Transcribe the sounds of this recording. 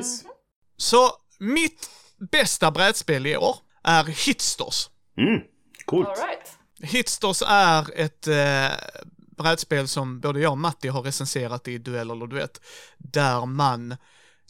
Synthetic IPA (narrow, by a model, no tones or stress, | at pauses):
sɔ | mɪt̪ | bɛst̪abɾɛːd̪speːlɪo̰ːɾ | ʔæɾhɪt̪st̪ɔ̰s | m̩ | kʰuːlt̪ | hɪt̪st̪ɔsæɾɛt̪ | bɾɛːd̪speːlsɔmboːd̪əjɑːɡmat̪ːɪɦaɾːɛsɛnseːɾat̪ɪd̪ɵɛlːɛlːəd̪ɵvḛːt̪d̪æɾman